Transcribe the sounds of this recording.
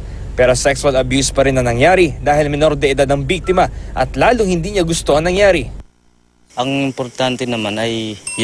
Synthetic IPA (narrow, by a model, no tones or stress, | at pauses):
pɛɾosɛksʊɐlɐbjuːspɐɾɪnɐŋnɐŋjaːɾid̪aːhɪlmɛno̞ɾd̪ɛʔɪd̪ad̪ɐŋbik̚t̪ɪmɐʔɐt̪laːloŋhɪnd̪iːɲɐɡʊst̪o̞ʔɐŋnɐŋjaːɾi | ʔɐŋɪmpoɾt̪ant̪ɛnɐmanɐj